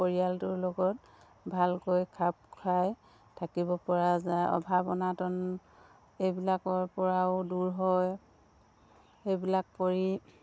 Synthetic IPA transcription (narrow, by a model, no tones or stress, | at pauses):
poɹijaltʊɹlɔɡɔt̚ | bʱalkojkʰap̚kʰaj | tʰakibɔpɔɹazajɔ̰bʱabɔnatɔn | ejbilakɔɹpɔɹaʊduɹɦɔj | ejbilak̚poɹi